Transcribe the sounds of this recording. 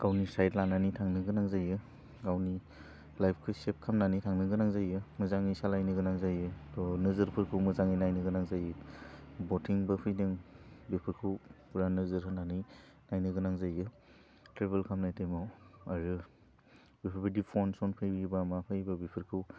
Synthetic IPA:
ɡ̥awnisajtlananitʰaŋnɯɡɯnaŋzajɯ | ɡawni | lajp̚ʰkʰɯsep̚kʰamnanijtʰaŋnɯɡɯnaŋzajɯmɯzaŋisalajnɯɡɯnaŋzajɯtɔnɯzɯɾpʰɯɾkʰumɯzaŋijnajnɯɡɯnaŋzajɯbotʰiŋbɐpʰɯjdɯŋbipʰɯɾkʰupuɾanɯzɯɾɦɯnanij | najnɯɡɯnaŋzajɯ | tɾebelkʰamnajtejmawaɾɯ | bipʰɯɾpʰɯdipʰɔnsɔnpʰɯjbibamapʰajbabipʰɯɾkʰu

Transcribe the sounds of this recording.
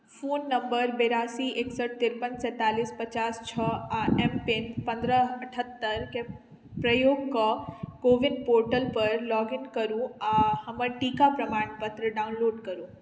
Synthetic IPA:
fʰuːnːɐ̃mbəɾbeːɾaːsieːksəʈ̚t̪ɪɾpənsɛ̃ːt̪aːliːspɐt͡ʃaːst͡ʃʰəaɛmpenpɐ̃nd̪ɾəɐʈʰət̪ːəɾke | pɾəjoːɡkɔkoːʋɪnpoːɾʈəlpɐɾlɔːɡɪnkəɾũãhɐməʈiːkapɾɐmaːɳpət̪ɾəɖaʊ̃nloːɖkəɾũː

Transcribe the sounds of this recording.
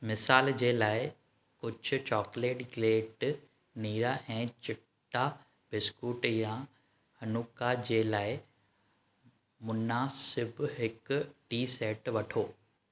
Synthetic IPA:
mɪsaːld͡ʑeːlaːɪ | kʊd͡ʑʱʊ̆t͡ɕɔːkleːʈɡleːʈ | niːɾaʔɛ̃ːt͡ɕɪʈː | a | bɪskuːʈjã | hɐnuːkad͡ʑeːlaːɪ | mʊnaːsɪbɦɪkʈiːseːʈʋɐʈʰoː

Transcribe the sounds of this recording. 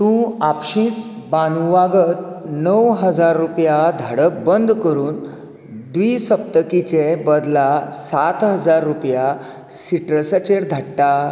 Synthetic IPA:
t̪ũapɕĩːt͡sbanuʋaɡət̪nəwɦəd͡zaɾːupjad̪ʱəɽəkbənd̪ʱkəɾuːn | d̪ʋiːsəp̚t̪əkit͡ɕebəd̪lasat̪ɦəd͡zaɾːupja | siʈɾəsət͡ɕeɾd̪ʱaɽʈa

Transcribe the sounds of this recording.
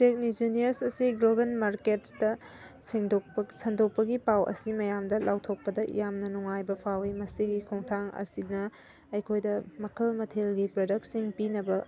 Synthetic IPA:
tek̚nid͡ʒinijɐɾsɐsiɡlobenmaɾket̚sdɐ | siŋdopsɐndok̚pɐɡipawʔɐ̰simɐjamdɐlʔawtʰok̚pɐdɐjamnɐnuŋajbɐpʰawimɐsiɡikʰoŋtʰaŋɐ̰sinɐ | ɐjkʰojdɐmɐkʰɐlmɐtʰelɡipɾodɐk̚siŋpinɐbɐ

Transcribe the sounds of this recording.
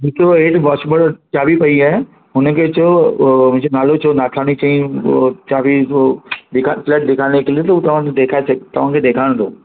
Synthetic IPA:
bɪkoeːʈʋaːʃbəɽt͡ɕaːbʱipɐiaːe | ɦʊnə̆kʰeːt͡ɕʰomʊ̃ɦɪ̃d͡ʑonaːlot͡ɕʰonaːʈʰaːɽ̃it͡ɕaːĩt͡ɕaːbʱi | d̪ɪkʰaflɛːʈ̚d̪ɪkʰaːñekeliot̪ɐut̪ɐʋ̤ãːked̪eːkʰaːesɐɡt̪ɐʋ̤ãːkʰeːd̪eːkʰaːɪɽ̃t̪ʰo̰ː

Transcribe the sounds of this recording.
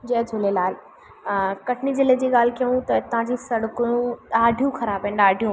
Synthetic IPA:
d͡ʑɐːd͡ʑʱʊlelaːl | kɐʈʰnid͡ʑɪled͡ʑiːɠaːl̤kijũt̪ɐt̪ɐãd͡ʑiːsɐɽkũɗaːɖʱijũxɐɾaːbɐ̃naːɖʱijũ

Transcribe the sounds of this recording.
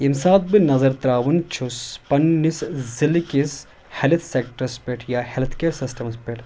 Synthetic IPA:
imsaːt̪̚binɐzɐɾt̪ɾaːʋunt͡ʃʰuspɐnːiszilkis | helt̪ʰsekʈɐɾspeʈjaːhelt̪ʰkeːɾsisʈɐmspeʈ

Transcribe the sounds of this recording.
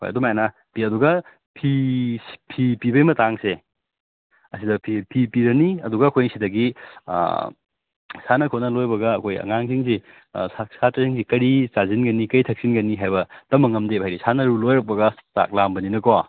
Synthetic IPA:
ho̰jɐ̰dumajana | piɐduɡɐ | pʰi | pʰipibɐjmɐtaŋse | ɐsidɐpʰipʰipiɾɐniɐduɡɐːkʰojsidɐɡḭ | sanɐkʰot̚nɐlojbɐɡɐːkʰojɐ̰ŋaŋsiŋsḭ | asʰatɐsiŋsikɐɾisazinɡɐnikɐitʰɐk̚sinɡɐniɦajbɐtɐmɐŋɐmdebajɾisanɐɾulojɾɐk̚pɐɡɐta̰k̚lambɐninɐkawa

